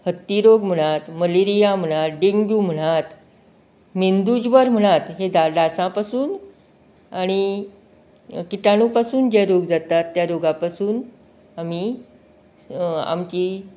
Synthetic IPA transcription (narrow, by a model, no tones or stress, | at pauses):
hət̪ːiɾoɡm̤əɽ̃at̪məleɾijam̤əɽ̃at̪̚ɖeŋɡbjuːm̤əɽ̃at̪ | mind̪ud͡ʑʋəɾm̤əɽ̃at̪ɦed̪ad̪asãpasuːn | aɽ̃i | kiʈaɽ̃upasuːnd͡ʑeɾoɡd͡zat̪at̪ːjaɾoɡapasuːn | amiː | a̰mt͡ɕiː